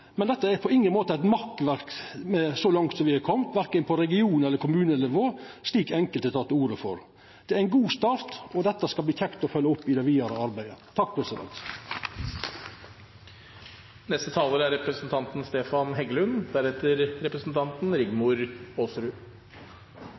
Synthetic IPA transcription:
mɛnd̪ɛt̪ːəæɾpʰɔɪŋːənmoːt̪əæɪt̪mɑkʋæɾkmɛsɔlɑŋt̪sɔmʋɪhɑkʰɔmt̪ʋæɾkənpʰɔɾɛɡɪuːnɛləɾkʰʊmʉːnənɪʋoːsliːkɛŋkəlt̪ɛt̪ʰɑːt̪ːəuːɾəfɔ̰ɾ | d̪̥ɛæɾæɪnɡuːst̪ɑːɾt̪ɔd̪ɛt̪ːəskɑlb̪iːçɛŋt̪ɔfœlːəʊpːɪd̪ɛʋiːɑɾə̰ɑɾbæɪət̪ʰɑk̚ːpʰɾɛsɪd̪ɛ̰nt̪ | nɛst̪ət̪ʰɑːləɾæɾɛpɾəsn̩t̪ʰɑnt̪n̩st̪eːfɑnɦɛɡlʉnd̪æɾhɛt̪əɾɾɛpɾəsn̩t̪ʰɑnt̪n̩ɾɪɡmʊɾoːsɾʉː

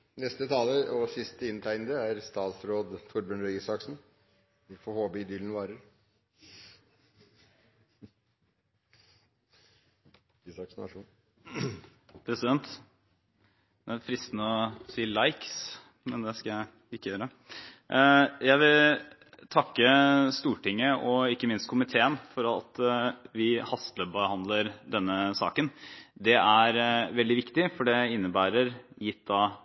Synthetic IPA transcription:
nɛst̪ət̪ʰɑːləʔɔsɪst̪əɪnt̪ʰæɪnəd̪əæɾst̪ɑːt̪sɾoːd̪t̪ʰʊɾbʉːnɾœiːsɑksn | fɔhoːbəɪd̪iːln̩ʋɑːɾəɾ | sɑksnɑ̰ʂun | pʰɾɛsɪd̪ɛnt̪ | d̪ɛæɾfɾɪst̪nəɔsiːlɑɪks | mɛnd̪ɛskɑjæɪ | ɪkːəjøːɾə | jæɪʋɪl | t̪ʰɑkːəst̪uːʈɪŋːəʔɔɪkːəmɪnst̪̚kʰʊmɪt̪ʰeːənfɔɾɑ̰t̪ʋɪhɑst̪lœbəhɑnd̪ləɾd̪ɛnːəsɑ̰ːkənd̪ɛæɾʋɛld̪ɪʋɪkt̪ɪfɔɖɛɪnːəbæːɾəɾjɪt̪̚ːd̪ɑː

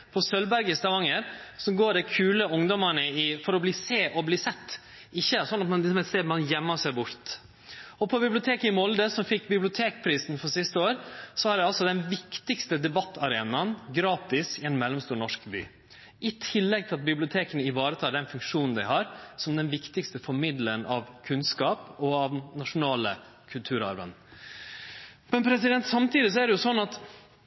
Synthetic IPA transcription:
pʰɔsœlbæɾɡəst̪ʰɑʋɑŋəɾsɔmɡoːɖɛkʰʉːləʊŋd̪ɔməɳəɪfɔɾɔbliːseːʔɔbliːsɛt̪ː | ɪçːəsɔnːɑt̪mɑnɪsɔmɛseːmɑnjɛmːɑsæɪbʊɾt̪ | ɔpʰɔbɪblɪʊt̪ʰeːkəɪmɔld̪əsɔmfɪkːbɪblʊt̪ʰeːkpʰɾiːsn̩fɔɾʂɪst̪əoːɾsɔæɖɛɑlsɔd̪ɛnʋɪkt̪ɪkst̪əd̪ɛbɑt̪ːɑɾeːnɑnɡɾɑːt̪ɪsɪɛnmɛlːɔmst̪uːɾɳɔʂkby̰ː | ʔɪt̪ʰɪlːɛɡ̚t̪ʰɪlɑt̪̚bɪblɪʊt̪ʰeːkənəɪʋɑːɾət̪ʰɑːɖɛnfʉŋkʂuːnn̩d̪æɪɦɑɾsɔmd̪ɛnʋɪkt̪ɪkst̪əfɔɾmɪd̪lənɑʋkʰʉnskɑːpɔɑʋnɑʂʊnɑːlə | kʰʉlt̪ʰʉːɾɑ̰ɾʋə̰n | mɛnpʰɾɛsɪd̪ɛnt̪sɑmt̪iːd̪ɪs̬ɔæɖɛjʊsɔnːɑt̪

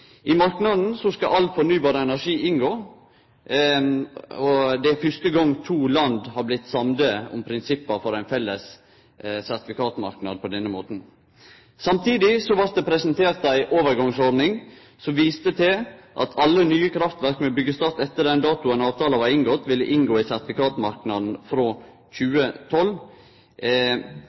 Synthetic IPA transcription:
ʔɪmɑɾknɑd̪n̩sɔskɑʔɑlt̪fɔɾnyːbɑːɾəɛnæɾʂiːɪnɡoː | ɔd̪ɛfʏʂt̪əɡɔŋt̪ʰuːlɑnd̪hɑːɾblɪt̪ːsɑmd̪əɔ̰mpʰɾɪnsɪpːəfɔɾæɪnfɛlːəs | sæɾt̪ɪfɪkʰɑːt̪ʊmɑ̰ɾknɑ̰d̪̚pʰɔd̪ɛnːəmoːt̪n̩ | sɑmt̪ʰiːd̪ɪsɔʋɑɾt̪̚d̪ɛpʰɾɛsənt̪ʰeːɾt̪dæɪʔoːʋəɾɡɑŋsɔɾd̪nɪŋ | sɔmʋiːst̪ət̪ʰɪʔɑ̰t̪ʰɑlːənyːəkʰɾɑft̪ʋæɾkmɛbʏɡːəst̪ɑɾt̪ɛt̪ːəɾd̪ɛnd̪ɑːt̪ʊənɑːʋt̪ɑːləʋɑɾɪŋɡɔt̪ːʋɪlːəʔɪŋɡoːɪsæɾt̪ɪfɪkɑːt̪mɑɾknɑd̪n̩fɾoː | çʉːət̪ʰɔlː

